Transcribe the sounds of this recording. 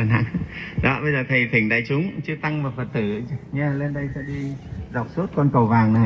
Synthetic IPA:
aː˨˩na̰˧˨ŋɗɔ˨˦ɓə˧jzəː˨˩t̪ʰə˨˩jt̪ʰï˧˩ŋ̟ɗa̰ː˧˨jt͡ɕʊ˨˦ŋ͡mt͡ɕɨ˧ət̪a˧ŋvaː˨˩fə˨˩t̚t̪ɨ˧˩ɲaː˧˩le˧nɗə˧jsɛ̰˧˥ɗi˧za˨˩wk͡p̚su˦˥t̚kɔ˧nkə˨˩wvaː˨˩ŋna˨˩

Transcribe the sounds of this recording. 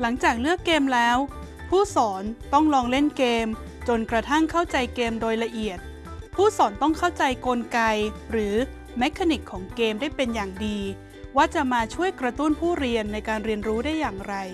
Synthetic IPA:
la˩˦ŋt͡ɕaː˨˩k̚lɯ˥˩əkːeː˧mlɛː˦˥w | pʰuː˥˩sɔː˩˦nt̪ɔ˥˩ŋlɔː˧ŋle˥˩nkeː˧m | t͡ɕo˧nkɾa˧t̪ʰa˥˩ŋkʰa˥˩wt͡ɕa˧jkeː˧mdoː˧jla˧ʔi˨˩ət̪̚ | pʰuː˥˩sɔː˩˦nt̪ɔ˥˩ŋkʰa˥˩wt͡ɕa˧jko˧nka˧jɾɯː˩˦ | me˦˥kʰːa˧ni˨˩kʰːɔː˩˦ŋkeː˧mdaː˥˩jpe˧njaː˨˩ŋdiː˧ | waː˥˩t͡ɕa˨˩maː˧t͡ɕʰu˥˩əjkɾa˧t̪u˦˥˩npʰuː˥˩ɾi˧ənːa˧jkaː˧nɾi˧ənɾuː˦˥daː˥˩jːaː˨˩ŋɾa˧j

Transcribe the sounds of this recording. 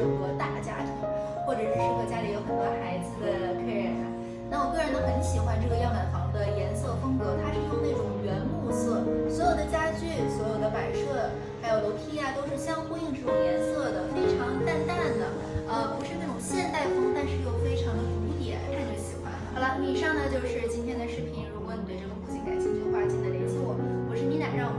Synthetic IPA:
o˨˥˧xə˧˥t̪a˥˩t͡ɕja˥t̪ʰi˧˥ | xwɔ˥˩ʈ͡ʂɤ˨˩˥ʂ̩˧˥˩ʂə˧˥˩xə˥˩t͡ɕja˥li˧˩jo˧˥ʊxə˨˩nt̪wa˥xa˧˥ɪd͡z̩˧˩˥la˧˥lə˧kʰa˥ɪɻa˨˩na˥ | na˥˩wɔ˨˩kɤ˥˩ɻə˧˥nə˧kə˧˥i˥ɕi˨˩xwa˥nʈ͡ʂɤ˥˩ɡə˩jɑ˥˧ŋa˥˩nxɑ˨˧˥ʊd̪ə˧jɛ˧˥nsɤ˥˩fɤ˥ŋkɤ˧˥t̪ʰa˥ʂi˥˩o˥ʊne˥˩ʈ͡ʂʊ˨˩ŋɥɛ˧˥nmu˥˧sɤ˥˩swɔ˧˥jo˨˩ʊd̪ə˦t͡ɕja˥t͡ɕy˥˩swɔ˧˥jo˨˩ʊd̪ə˦pa˨˩ɪʂɤ˥˩ | xa˧˥ɪjo˨˩ʊlo˧˥ʊt̪ʰi˥a˨˧t̪o˥ʊʂɻ̩˥˩ɕjɑ˥ŋxu˥˧i˥˧ŋʈ͡ʂʰu˩˥˩jɛ˥nsɤ˥˩d̪ə˩fe˥ɪʈ͡ʂʰɑ˧˥ŋt̪a˥˧nt̪a˥˩nd̪ə˩ | ə˧pu˧˥ʂɻ̩˥˧na˥˩ʈ͡ʂʊ˨˩ŋɕjɛ˥˧nt̪a˥˩ɪfɤ˥ŋt̪a˥˧nʂɻ̩˥˧˥jo˥˨˩ʊfe˥ɪʈ͡ʂʰɑ˧˥ŋd̪ə˧u˧˥t̪jɛ̰˨˩˦nt̪ʰa˥˧nt͡ɕjo˥˩ɕi˨˩xwa̰˧˥n˧˥la˥˩i˨˩ʂɑ˥˩ŋnə˩t͡ɕjo˥˧ʊʂɻ̩˥˩t͡ɕi˥nt̪ʰjɛ˥nd̪ə˧ʂɻ̩˥˩pʰi˨˩nɻu˧˥kwɔ˧˥ni˨˩we˥˧ɪʈ͡ʂə˩u˥˩t͡ɕʰi˥ŋka˨˧˩ɪt͡ɕi˥ŋt͡ɕjo˥˩ʊfa˥t͡ɕʰi˥˩d̪ə˧i˧˥t͡sʰwɔ˥˩xu˧˩ʂɻ̩˥˩ni˧˥na˨˩ɻɑ˥˩ŋ

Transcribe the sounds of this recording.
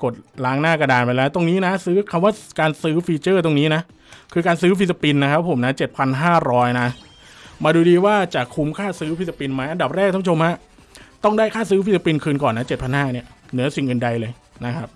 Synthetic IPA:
ko˨˩t̪̚laː˦˥ŋnaː˥˩ka˧daː˧npa˧jlɛː˦˥wt̪o˧ŋniː˦˥na˦˥sɯː˦˥kʰa˧mwaː˥˩kaː˧nsɯː˦˥fiː˧t͡ɕɤː˥˩t̪o˧ŋniː˦˥na˦˥ʔ | kʰɯː˧kaː˧nsɯː˦˥f̬ʰi˦˥t̪̬̚ːa˧pi˧nːa˦kʰa˦˥pʰːo˩˦mna˦˥t͡ɕe˨˩t̪̚pʰa˧nɦaː˥˩ɾɔː˦˥jna˦˥ | maː˧duː˧diː˧waː˥˩t͡ɕa˨˩kʰu˧mkʰaː˥˩sɯː˦˥wʰi˦˥t̪̚ːa˧pi˧nma˦˥jʔnda˨˩p̚ɾɛː˥˩k̪̚ʰa˥pːʰo˧mha˦˥ʔ | t̪ɔ˥˩ŋdaː˥˩jkʰaː˥˩sɯː˦˥f̬ʰi˦˥t̪̚sa˧pi˧nkʰɯː˧nkɔː˨˩nːa˦˥t͡ɕe˨˩t̪̚pʰa˧nhaː˥˩ni˥˩ɐnɯ˩˦ɐsi˨˩ŋʔɯː˨˩nda˧jlɤː˧j | na˦˥kʰa˦˥p̚

